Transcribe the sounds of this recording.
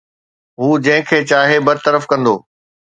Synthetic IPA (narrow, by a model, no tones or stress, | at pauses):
ɦuːd͡ʑɐ̃ɦɪ̃kʰeːt͡ɕaːɦebɐɾt̪əɾəfkɐ̃nd̪oː